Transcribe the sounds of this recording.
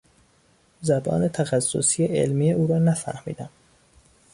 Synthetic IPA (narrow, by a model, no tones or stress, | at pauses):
zæbɒ̰ːne̞t̪ʰæxæsːo̰siːeʔḛlmiːeuːɾɒːnæfæ̰ɾhmḭːd̪æm